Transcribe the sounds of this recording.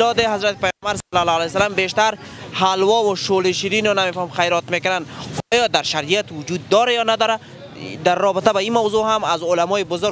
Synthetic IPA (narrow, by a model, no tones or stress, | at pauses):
lɔd̪ɪɦazɾat̪ɪ̥pajmbaɾsalalɔalajsalambeʃt̪aɾ | halwɔwʊʃoliʃiɾinɔnamefɔhmxajɾɔt̪mekɪnanqjɔd̪aɾʃaɾijat̪wʊd͡ʒud̪ːɔɾajɔnad̪ɔɾa | d̪aɾːɔbɪt̪abaimawzoɦamazʊlamɔɪbʊzʊɾ